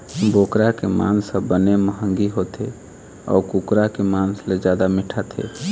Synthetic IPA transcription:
bokɾakema̰nsəbəneməɦəŋɡiɦot̪ʰe | ɔ̰ːkukɾakemansled͡ʒjad̪amiʈʰat̪ʰḛ

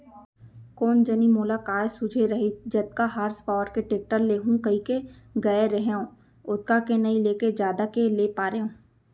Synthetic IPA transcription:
koːnd͡ʒɐnimoːlakaːjsʊd͡ʒʱeɾɐɦid͡ʒɐt̪̚kaɦaːɾspaːʋəɾkeʈeːk̚ʈəɾleːɦũkɐikeɡɐeɾɐɦeõː | ʊt̪̚kakenɐĩleːked͡ʒjaːd̪akeleːpaːɾeõː

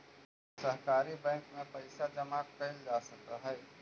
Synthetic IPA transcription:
sɐɦkaːɾibɛ̃ːŋkmẽpɐɪsad͡ʒɐmaːk̚pɛːld͡ʒaːsɐk̚t̪aɦɛː

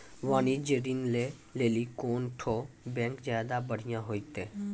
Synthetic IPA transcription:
ʋaːniːd͡ʒeɾinleː | leːlikoːnʈʰoː | bɛ̃ːŋkzjaːd̪aːbəɽ̤ɪjãɦoːikt̪eː

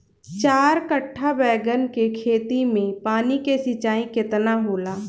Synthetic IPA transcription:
t͡ʃaːɾkəʈʰːabɛːɡənkekʰeːt̪imẽpaːnikesɪt͡ʃaːĩkɪt̪naɦoːlaː

